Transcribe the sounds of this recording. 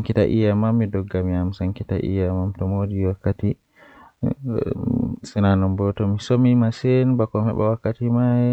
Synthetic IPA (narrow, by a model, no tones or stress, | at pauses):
aŋkitaʔḭjamamːidɔɡːamiamsaŋkitaʔḭjamamtɔmodiwakːati | sinanɔmbɔtɔmisomimasenbakɔmhɛ̰ɓa̰wakːatimajɛ